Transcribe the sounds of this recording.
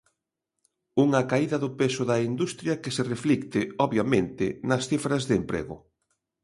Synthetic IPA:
uŋɐkaiðɐðʊpesʊðɐind̪ust̪ɾjɐkesereflikt̪ɪɔβjamẽnt̪ɪnɐsθifɾɐzðempɾḛɣʊ̰

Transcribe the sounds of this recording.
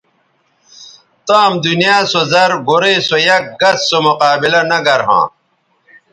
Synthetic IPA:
t̪amd̪unijaːsozɐɾɡoɾesojɐk̚ɡɐt͡ssomoqaːbilɐnɐɡɐɾɦã̰ː

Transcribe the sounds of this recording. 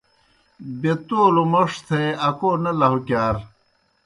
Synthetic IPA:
bet̪oːlumɐʂt̪ʰeɐkoːnɐlɐɦukjaːɾ

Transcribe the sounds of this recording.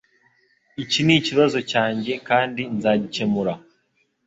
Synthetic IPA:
iciniːciβazo̞caːɲɟe̞kaːndinzaːɟice̞muɾa

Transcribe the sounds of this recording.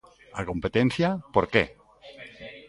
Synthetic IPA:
akompet̪enθjapoɾkḛ

